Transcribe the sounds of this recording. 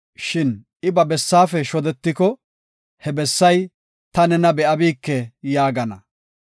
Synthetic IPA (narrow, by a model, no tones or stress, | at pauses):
ʃɪnʔɪbɐbɛsːaːfɛʃɔd̪ɛt̪ːɪkɔ | hɛbɛsːɐj | t̪ɐnɛnɐbɛʔɐbiːkːɛjaːɡɐnɐ̰